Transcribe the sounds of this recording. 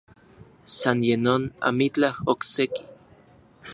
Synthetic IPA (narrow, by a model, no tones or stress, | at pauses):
sanjenona̰mit͡ɬahokseki̥